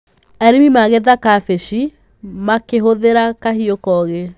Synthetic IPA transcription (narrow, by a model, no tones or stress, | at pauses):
ɛɾimimaɣeðakafeʃi | makeɦoðeɾakaɦiokɔɣe